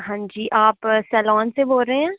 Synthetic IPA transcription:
ɦãːɲd͡ʒiːʔaːpsɛːlɔːnseboːɾəɦeɛ̃ː

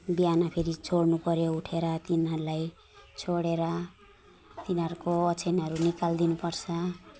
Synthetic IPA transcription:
bijanapʰeɾit͡sʰoɽnupʌɾjouʈʰeɾʌt̪inɦʌɾulaj | t͡sʰoɽeɾʌ | t̪inʌɾukoʌt͡sʰenʌɾunikald̪inupʌrt͡sʰʌ

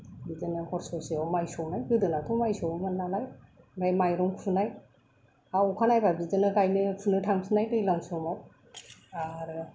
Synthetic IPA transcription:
bidɯnɯhʰɔɾsɔseawmajsɔwnajɡɯdɯnatʰɔmajsɔwmannːalaj | ɾajmajɾɔŋkʰunaj | akʰanajbabidɯnɯɡajnɯpʰɯnɯtʰaŋsʰɯnajdɯjlamsɔmat̚ | aɾ

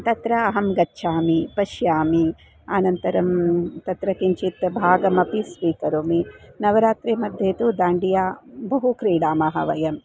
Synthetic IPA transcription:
t̪ɐt̪ɾɐːɦɐmɡɐtːʃʰaːmipɐʃjaːmi | aːnɐnt̪ɐɾɐmt̪ɐt̪ɾɐkiɲt͡ʃit̪bʱaːɡɐmɐpispiːkɐɾoːminɐʋɐɾaːt̪ɾeːmɐd̪ʱjeːt̪ud̪aːɳɖijaːbɐɦukɾiːɽaːmɐɦɐ̰ʋɐjɐm

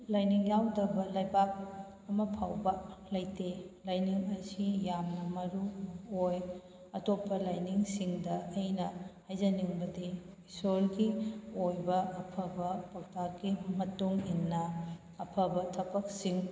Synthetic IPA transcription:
lajniŋjawdɐbɐlɐjbak̚ | ɐmɐpʰawbɐlɐjtelajniŋɐsijamnɐmɐɾuoj | ɐtopːɐlajniŋsiŋdɐʔɐjnɐhajzɐniŋbɐdi | isolɡiojbɐʔɐpʰɐbɐpʰɐk̚takimɐtuŋinːɐ | ɐpʰɐbɐtʰɐpɐk̚siŋ

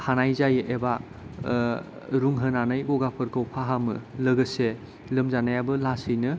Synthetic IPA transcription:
hanajzajɯʔeba | ɾuŋɦənanɯjɡoɡapʰɯɾkʰowpʰaɦamɯ̰lɐɡɯse | lɯmzanajabɯlasɯjnɯ

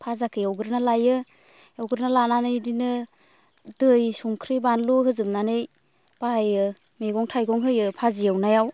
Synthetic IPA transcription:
pʰazakʰɯjawɡɯɾnalajɯ | awɡɯɾnalananɯjdinɯ | dɯjsuŋkʰɾibanluɦɯzɯm̚nanɯj | b̥ajɯ | meɡɔŋtʰajɡɔŋɦɯjɯpʰazijawnajaw

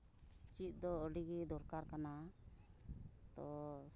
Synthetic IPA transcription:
t͡ʃit̪̚ˀd̪ɔəɖiɡid̪ɔɾkaɾkana | t̪ɔ

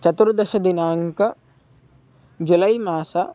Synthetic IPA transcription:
t͡ʃɐt̪uɾd̪ɐʃɐd̪inaːŋkɐ | d͡ʒulɐjmaːsɐ

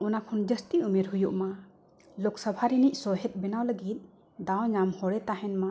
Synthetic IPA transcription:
ɔnakʰɔnd͡ʒəst̪iumeɾɦujuʔma | lɔksəbʱaɾiniʔsɔɦɛt̪̚bɛnawləɡit̪̚ | d̪awɲamhɔɽɛt̪aɦɛnma

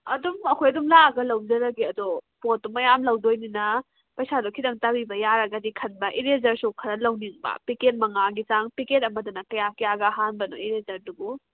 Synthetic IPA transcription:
ɐdumɐkʰojɐdumlaɡɐlɐwd͡ʒɐɾɐɡiɐdopot̚ːumɐjamlɐwdojninɐ | pɐjsadokʰidɐŋtabibɐjaɾɐɡɐdikʰɐnbɐʔiɾezɐɾsukʰɐɾɐlɐwniŋbɐ̰piket̚mɐŋaɡit͡ʃaŋpiket̬̚ɐmɐdunɐkɐjakjaɡɐɦanbɐnoiɾezɐɾdubu

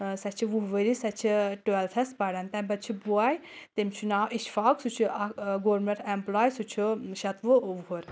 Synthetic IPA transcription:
sɐt͡ʃʰiʋuɦʋəɾisɐt͡ʃʰiʈuelt̪ʰɐspɐɽɐnt̪ɐmbɐd̪̚t͡ʃʰibuaːjt̪imt͡ʃʰunaːwʔiʃfaːksut͡ʃʰuʔɐɡoːɾmẽɳʈemplaːjsut͡ʃʰuʃɐt̪ʋuʋuɦuɾ

